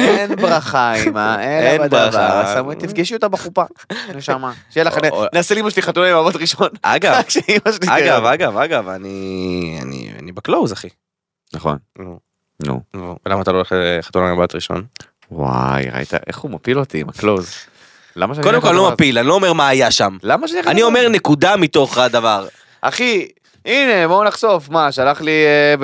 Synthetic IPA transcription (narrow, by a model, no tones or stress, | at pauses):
enbʁaχaimaeendbaavχasamit̪ifɡiʃuot̪abeχupaeʃamaʃjelaχaninaːselimaʃliχatunaimabat̪ʁiʃona̰ɡavʃeimaʃeliaɡavaɡavaɡavania̰nḭa̰nibeklowzaχi | naχo̰nnu | nṵuvelamaːt̪aloːleχχat̪unamabat̪ʁiʃo̞̰n | wa̰jʁa̰ḭt̪a̰ʔḛχumapilot̪iːmaklowz | lamaʃko̞d̪emkolːomapilanilo̞ːmeʁmaːjaʃamlamaʃanianiome̞ʁnekud̪amit̪o̞χad̪avaʁ | ʔa̰χi | ine̞bounaχsofmaʃalaχlie